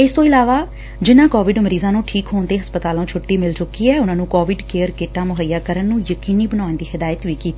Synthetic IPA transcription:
ɪst̪õːɪlaːʋaː | d͡ʒɪnãːkɔːʋɪɖməɾiːzãːnũːʈʰiːkɦoːnd̪eːɦəspət̪aːlõːt͡ʃʰʊʈːiːmɪlt͡ʃʊkiːɛːʊnãːnũːkɔːʋɪɖkeːəɾkeːʈãːmʊɦəjːaːkəɾənːũːjəkiːniːbənaːnd̪iːhɪd̪aːjət̪ʋiːkiːt̪ːiː

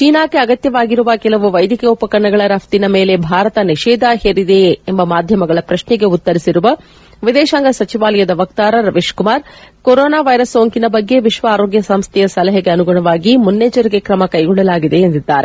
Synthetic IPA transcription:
t͡ʃiːnaːkeɐɡɐt̪jɐʋaːɡiɾuʋɐkɛlɐʋuʋɐjd̪ʱikɐɐupɐkɐɾɐɳɐɡɐɭɐɾɐft̪inɐmeːlebʱaːɾɐt̪ɐniʃɛːd̪aɦeːɾid̪e̞ːmbɐmaːd̪ʱjɐmɐɡɐɭɐpɾɐʃnɛɡe̞ut̪ːɐɾisiɾuʋɐ | ʋid̪ɛːʃaːŋɡɐsɐt͡ʃiʋaːlɐjɐd̪ɐʋɐk̚t̪aːɾɐɾɐʋeːʂkumaːɾkoɾoːnaːʋɐjɾɐsːoːŋkinɐbɐɡːe̞ʋiʃʋɐaːɾo̞ːɡjɐsɐmst̪ʰɛjɐsɐlɐɦɐɡe̞ɐnuɡuɳɐʋaːɡimunːeːd͡ʒɐɾiɡe̞kɾɐmɐkɐjɡɔɭːɐlaːɡid̪e̞ːnd̪id̪ːaːɾe

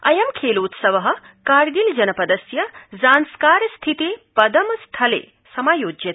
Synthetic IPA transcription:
ɐjɐmkʰeːloːt̪sɐʋɐɦɐ̆ | kaːɾɡild͡ʒɐnɐpɐd̪ɐsjɐzaːnskaːɾst̪ʰit̪eːpɐd̪ɐmst̪ʰɐlḛː | sɐmaːjoːd͡ʒjɐt̪

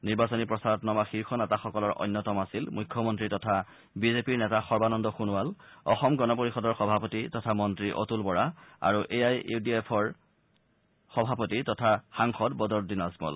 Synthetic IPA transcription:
niɹbasɔnipɹɔsaɹɔtnɔmaxiɹxɔnɛtaxɔkɔlɔɹʔɔ̰jnːɔtɔmasilmujkʰːɔmɔntɹitɔtʰa | bizepiɹnɛtaxɔɹbanɔndɔxunualɔ̰xɔmɡɔnɔpoɹixɔdɔɹxɔbʱapotitɔtʰamɔntɹiʔo̰tulbɔɹaa̰ɹuʔejajidiepʰɔɹ | xɔbʱapotitɔtʰaxaŋxɔdbɔdɔɹdinasmɔ̰l

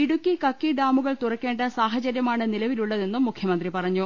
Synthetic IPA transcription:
iɽukːikɐkːiɖaːmuɣɐɭt̪urɐkːe̞ːɳɖɐsaːɦɐt͡ɕɐɾjɐmaːɳɨnilɐʋiluɭːɐðe̞nːumːukʰjɐmɐnd̪ripɐrɐɲːu

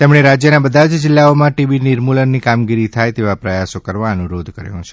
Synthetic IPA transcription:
t̪emɽ̃eɾad͡ʒjənabəd̪ʱad͡ʒd͡ʒɪlːaomãʈiʋiniɾmulənːikamɡiɾit̪ʰajt̪eʋapɾəjasokəɾʋaənuɾod̪ʱkəɾjṵ̃t͡ʃʰe̥

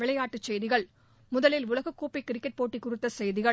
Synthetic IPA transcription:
ɪɭɐjaːʈːɯt͡ʃːɛjðɪɣɐɭ | mʊðɐlɪlʊɭɐɣɯkːuːpikːɪɾɪkːɐʈ̚poːʈːikːʊrɯt̪ːɐsɛjðɪɣɐ

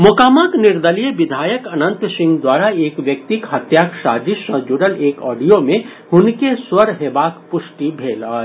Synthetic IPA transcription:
mʊkaːmat̪nɪɾd̪əlijəbɪd̪ʱaːjəkənə̃nt̪sɪ̃ŋɡd̪waːɾaeːkʋjək̚t̪ikɦət̪jaksaːd̪isə̃d͡ʒuɽəleːkɔ̰ːɖijomẽhʊnkeswəɾɦeːbaːkpʊsʈibʱeːlə

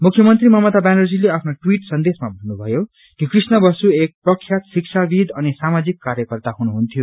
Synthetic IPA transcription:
mukʰjʌmʌnt̪rimʌmʌt̪abanʌrd͡zileapʰnoʈwiʈsʌnd̪esmabʱʌnːubʱʌjo | kikrisnʌbʌsuek̚prʌkʰːjat̪siksʰabid̪ʱʌnisamad͡zikːaɾjʌkʌrt̪aɦunuɦunt̪ʰjo

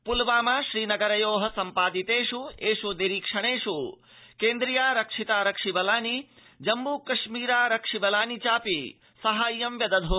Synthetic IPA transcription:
pulʋaːmaʃɾiːnɐɡɐɾɐjoːɦɐ̆sɐmpaːd̪it̪eːʃueːʃud̪eɾiːkʂɐɽ̃eːʃu | kẽːnd̪ɾijaːɾɐkʂit̪aːɾɐkʂibɐlaːni | d͡ʒɐmbukɐʃmiːɾaːɾɐkʂibɐlaːnit͡ʃaːpi | sɐɦaːjːɐmʋjɐd̪ɐd̪ʱoː

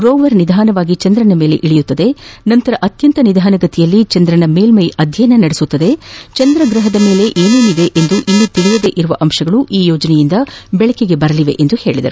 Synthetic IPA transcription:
ɡɾoːʋɐɾnid̪ʱaːnɐʋaːɡit͡ʃɐnd̪ɾɐnɐme̞ːle̞̰ʔiɭijut̪ːɐd̪e̞nɐnt̪ɐɾɐʔɐt̪jɐnt̪ɐnid̪ʱaːnɐɡɐt̪ijɐlːit͡ʃɐnd̪ɾɐnɐme̞ːlmɐjɐd̪ʱjɐjnɐnɐɽesut̪ːɐd̪e̞t͡ʃɐnd̪ɾɐɡɾɐɦɐd̪ɐme̞ːle̞ʔeːneːnid̪e̞ʔend̪uʔinːut̪iɭijɐd̪e̞ːʔiɾuʋɐʔɐmʃɐɡɐɭuʔiːjɔːd͡ʒɐnɛjind̪ɐbɛɭɐkeɡe̞bɐɾɐliʋe̞̰ʔend̪uhe̞ːɭid̪ɐ̰ɾu

